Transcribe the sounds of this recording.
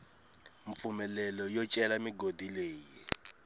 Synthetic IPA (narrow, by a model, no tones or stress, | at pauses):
ɱp̪fumɛlɛlɔjɔt͡ʃʼɛlamiɡodileːji